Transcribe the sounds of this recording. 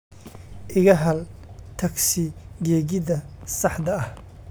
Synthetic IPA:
ʔɪɣɐɦɐlt̪ʰɐksɪɡɛːɣɪðɐsɑħd̪ɐɐh

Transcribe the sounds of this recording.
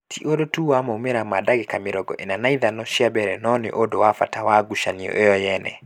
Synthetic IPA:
tʰiʔodotuwamɔumeɾamadaɡekameɾɔɡɔ̰ʔenanaiðanɔʃiabɛɾɛnɔnḛʔodowafa̰tawaɡuʃaniɔ̰ʔejɔjɛnɛ̰

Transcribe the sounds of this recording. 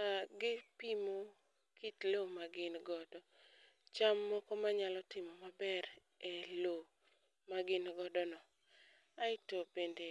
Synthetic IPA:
aɡɪpimo | kitlomaɡɪnɡɔdɔ | t͡ʃamːɔkɔmaɲalɔtɪmɔmabɛɾ | elo | maɡɪnɡɔdɔnɔ | aɪtobende

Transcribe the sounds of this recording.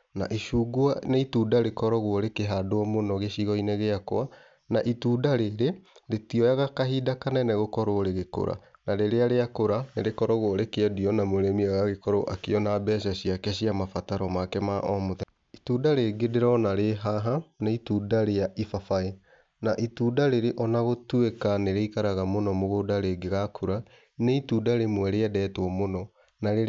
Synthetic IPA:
na̰ʔiʃuːɡuaneitudaɾekɔɾɔɣwɔɾekeɦadoɔmonɔɣeɕiɣɔinɛɣeakɔa | naʔituːdaɾeɾeɾetiɔjaɣakaɦidakanɛnɛɣokɔɾoɾeɣeko̰ɾa̰naɾeɾeaɾeakoɾaneɾekɔɾɔɣwɔɾekeɛdiɔnamoɾɛmiɔɣaɣekɔɾo̰ʔa̰keɔnabɛːʃ̬aɕiakɛɕiamafataɾɔmakɛmaʔɔmoðɛ | ituːdaɾeɡedeɾɔnaɾeɦaɦaneituːdaɾejaʔifafae | naʔituːdaɾeɾeʔɔnaɣotuekaneɾeikaɾaɣamonɔmoɣodaɾeɡeɣakʰuɾa | neitudaɾemwɛɾeɛdɛːtwɔmonɔ | naɾe

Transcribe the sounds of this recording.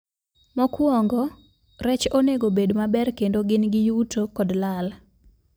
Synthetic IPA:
mɔkwɔŋɡɔ | ɾɛt͡ʃoneɡobedmabɛrkendoɡɪnɡɪjutokɔdlal

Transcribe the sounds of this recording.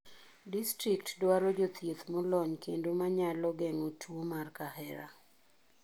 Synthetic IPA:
distɾik̚tdwaɾɔd͡ʒot̪jet̪mɔlɔɲkʰendomaɲalɔɡɛŋotʰwomarkahɛɾa̰

